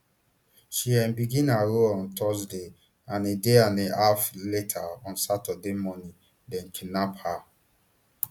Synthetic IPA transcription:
ʃiɛ̃nbiɡĩnaɹoɔ̃ntʰɔsde | ãnedeãneafletʰaɔ̃nsatademɔnĩ | dɛ̃nkʰinapha

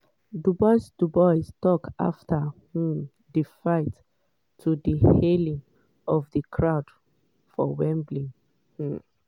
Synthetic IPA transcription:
dubɔɪsdubɔɪstɔka̰ftʰəhum | difaɪtːʰ | udihelĩŋ | ɔvðəkʰɹaʊd̥ | fɔ̰wɛ̃mblĩŋ | hu

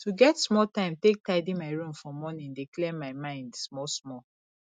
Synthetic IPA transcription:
tʰuɡɛtsmɔltãɪ̃mtek̚taɪdĩmaɪɹũmfɹɔ̃mːɔnĩndeklɛmaɪmãɪ̃ndsmɔsmɔ

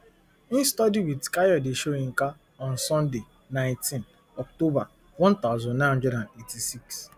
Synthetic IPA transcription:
ĩnstɔdiwitkajɔdeʃoĩŋ̩ka | ɔ̃nsɔ̃nde | nãɪ̃ntĩn | ɔktoba | wɔ̃nt̪aʊzɔ̃dnãɦɔ̃ndɹɛdãndetisiks

